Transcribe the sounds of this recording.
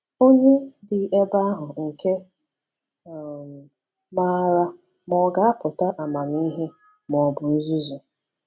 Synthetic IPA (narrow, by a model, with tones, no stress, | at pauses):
o˦ɲe˦dɪ˨e˦ba˦a˦ɦʊ˨ŋ̩˨ke˦˨ | ma˦ɾa˦ | mɔ˦ɡa˦a˦pʊ˨ta˦ʔa˨ma˨ni˦ɦe˦ | mɔ˨bʊ˨˦zu˦zʊ˨